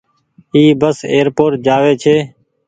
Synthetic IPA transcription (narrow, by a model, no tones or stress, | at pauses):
iːbəsḛːɾpoːɾʈ̚d͡ʒaːʋeːt͡ʃʰeː